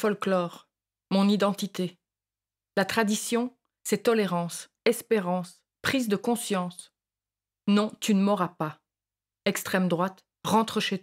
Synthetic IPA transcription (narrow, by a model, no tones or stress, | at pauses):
fɔlklɔːʁ | mɔ̃nid̪ɑ̃t̪it̪e | lat̪χad̪isjɔ̃ː | ɛt̪ɔleʁɑ̃s | ɛspeʁɑ̃s | pχizd̪əkɔ̃sjɑ̃s | nɔ̃t̪ynəmɔʁapa | ɛkst̪χɛmd̪ʁwat̪ | ʁɑ̃t̪χəʃe